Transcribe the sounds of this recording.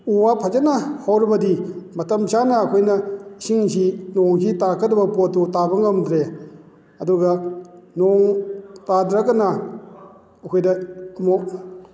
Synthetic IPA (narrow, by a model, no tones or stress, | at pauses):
uwapʰɐd͡ʒanahawɾibɐdimɐtɐmsanɐːkʰojnɐsiŋsinɔŋkʰitakʰɐt̚ɐbɐpɔtːutabɐŋɐmdɾe | ɐduɡɐnɔŋtadɾɐkːɐnɐ | ɐkʰojdɐmɔ